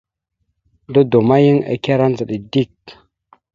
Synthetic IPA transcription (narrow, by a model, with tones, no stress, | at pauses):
do˦do˨ma˦ji˦ŋḛ˨kʲa˦ɾa˦n˦d͡zə˨ɗi˨di˦˨k